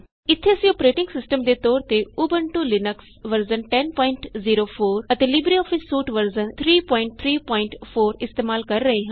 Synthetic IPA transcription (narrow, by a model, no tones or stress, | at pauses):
ɪt̪ʰːeːəsĩːɔpɾeːʈɪ̃ŋɡsɪsʈəmd̪eːt̪ɔːɾt̪eːuːbəɳʈuːlɪnəks | ʋəɾzənʈɛːnpɔ̃ːɪɳʈziːɾoːpʰoːɾət̪eːlɪbɾiːɔːfʰɪsːuːʈʋəɾzənt̪ʰɾiːpɔ̃ːɪɳʈ̚t̪ʰɾiːpɔːɪ̃ɳʈpʰoːɾɪst̪eːmaːlkəɾːəɦeːɦã